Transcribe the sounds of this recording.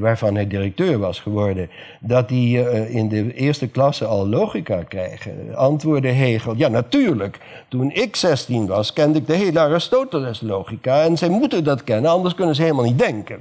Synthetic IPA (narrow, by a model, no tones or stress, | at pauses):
ʋaːɹvɑnɦɛdirək̚tøːɹʋɑsχəʋɔɹdən | dɑt̚diɪndəʔɪːɹstəklɑsəɑlˠlowχikaːkrɛ̰jχə̰ɑntʋoːɹdəɦeːχəlˠjaːnatyːɹlək | tunɪksɛstinʋɑskɛndɪɡ̚dəɦeləarɪstowtələslowχikaɛnzɛjmutəndɑtkɛnənɑndəɹskɵnənzəɦeləmalˠnit̚dɛŋkən